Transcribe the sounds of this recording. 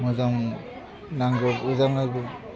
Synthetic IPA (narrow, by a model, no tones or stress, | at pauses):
muzaŋ | naŋɡɔuzaŋaɡ